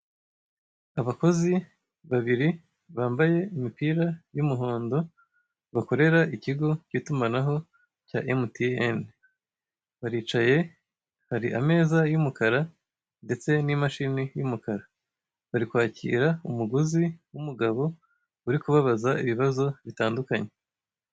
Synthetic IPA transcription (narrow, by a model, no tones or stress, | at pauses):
aβako̞zi | βaβiɾi | βaːmbaje̞imipiːɾajumuɦoːndo̞ | βako̞ɾe̞ɾaʔiciɡo̞ciːtumanaɦo̞ | ca̰ʔemutien | βaɾiːt͡ʃaje̞ | haɾiʔa̰me̞ːzajumukaɾa | nde̞t͡se̞nimaʃinijumukaɾa | βaɾikwaːcḭːɾaumuɡuziwumuɡaβo̞ | uɾikuβaβazaiβiβazo̞βitaːndukaɲe̞